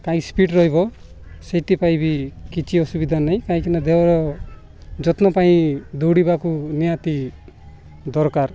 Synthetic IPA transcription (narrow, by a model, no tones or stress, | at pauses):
k̪aĩspiʈɾɔɦibɔ | seʈ̪ipajbikit͡ʃʰiɔsubid̪ʱanaj̃kãĩkinɔd̪eɾɔ | d͡ʒɔt̪nɔpaĩd̪ɔwɽibakunijat̪i | d̪ɔɾkaɾ